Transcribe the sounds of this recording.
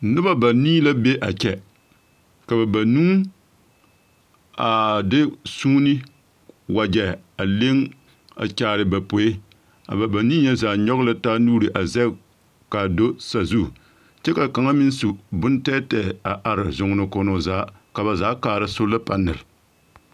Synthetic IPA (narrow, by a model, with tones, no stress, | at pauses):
nɨ˦ba˦ba˨niː˦la˦be˦ʔa˨t͡ʃɛ˨ | ka˨ba˨ba˨nuː˦ | a˨dɪ˦suː˦nɪ˦ | wa˨d͡ʒɛ˨ | a˨le˦ŋ | a̰˨t͡ʃaː˨ɾɪ˨ba˨po˨e˦ | a̰˨ba˨ba˨niː˦ɲɛ˦zaː˨ɲɔ˦ɣla˦taː˦nuː˦ɾɨ˨ʔa˨zɛ˦ | ka˨do˦sa˨zu˦˨ | t͡ʃɛ˦ka˨ka˨ŋa˦mɪ˦n˦su˨bʊ˦ntɛː˦tɛ˨a˨ʔa˨ɾɪ˨zʊ˨ŋ˨nɨ˨ko˨no˨zaː˨˦ | ka˨ba˨zaː˦kaː˨ɾa˦sʊ˦lɨ˦pa˦nːɨ˨lɪ˨